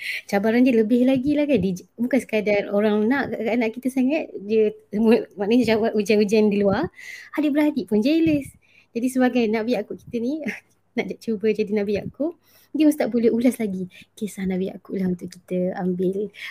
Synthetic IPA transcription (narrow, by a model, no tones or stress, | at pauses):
t͡ʃabaɾandiələbɪhlaɡilahkandibukansə̥kədaroɾaŋnaʔakanaʔkit̪əsaŋat̪̚diəsəmuəmaʔnəɲat͡ʃabaud͡ʒanud͡ʒandiluaradəbəɾadipʊnd͡ʒaləs | d͡ʒadisəbaɡajnaʔbiakuʔki̥t̪ənĩ | naʔd͡ʒaʔt͡ʃubəd͡ʒadinãʔbia̰ʔkuʔ | dimust̪aʔbolɛhulaslaɡikesahnaʔbia̰ʔkuʔlahunt̪ʊʔkːit̪əambɪl